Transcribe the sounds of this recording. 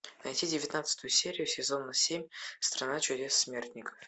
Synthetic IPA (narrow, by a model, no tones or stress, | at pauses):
nɐjtʲidʲɪvʲɪt̪nat̪sɨ̥t̪ʊjʊsʲeɾʲɪjʊsʲɪzo̞nːɐsʲemʲst̪ɾɐnat͡ɕɪdʲesːmʲert̪ʲnʲɪkə̥f